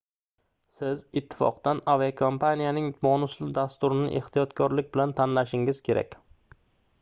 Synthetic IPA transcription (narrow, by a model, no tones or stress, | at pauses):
sɪzɪt̪ʰːɪ̥fɒ̰qd̪anavakʰompʰanijanɪŋbɒnʊslɪd̪ast̪ʊɾɪnɪ̰ʔeht̪ijɒt̪kʰɒɾlɪk̚ʲbɪlant̪ʰanlaʃɪŋɪz̥kʲʰe̞ɾa̰kʲ